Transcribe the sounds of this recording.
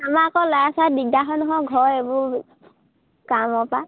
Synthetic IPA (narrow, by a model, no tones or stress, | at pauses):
amakɔlɔjasadidaɦɔnɔɦɔɡʱɔɹebʊ | kamɔpa